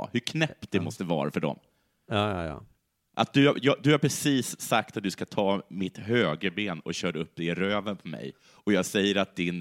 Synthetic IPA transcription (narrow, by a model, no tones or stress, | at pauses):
hɵkʰnɛp̚t̪̚d̪ɛmɔst̪əvɑ̰ːɾafœɖɔ̰m̰ː | ʔa̰t̪̚d̪ɵa̰jɑd̪ɵhaɾpʰɾɛsiːsːak̚t̪at̪̚d̪ɵskat̪ʰɑːmɪt̪ɦøːɡəbeːnɔ̰ɕœːɖəɵp̚ːd̪ɛɾøːvənpʰɔmɛ̰j | ɔjɑːɡsɛjːəɾat̪̚d̪ɪn